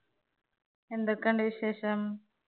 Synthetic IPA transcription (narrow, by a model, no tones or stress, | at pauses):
end̪ɐkɐɳɖʋiʃeːʃɐm